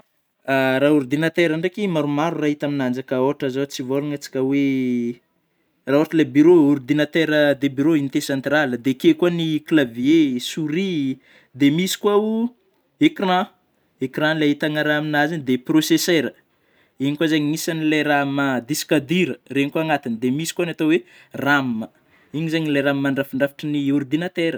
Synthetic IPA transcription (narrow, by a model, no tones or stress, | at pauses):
aɾauɾd̪inat̪eɾaɳɖ͡ʐekimaɾumaɾuraɦit̪aminand͡ʒakəoʈ͡ʂazot͡sivoluŋat͡si̥kʲəwe | raoaʈ͡ʂəlebyɾouɾd̪inat̪eɾəd̪ebyɾoint̪esãnt̪raləd̪ekekuaniklavjesuɾi | d̪emisi̥kwau | ekrã | ekrãlait̪anaɾaminazind̪eproseseɾə | iɲikazeɲimisanilajɾamad̪iskad̪iɾəreɲikuaŋat̪inid̪emisi̥kanat̪owe | rammə | iɲizeɲilajɾammaɳɖ͡ʐafiɳɖ͡ʐafi̥ʈ͡ʂəniurd̪inat̪eɾə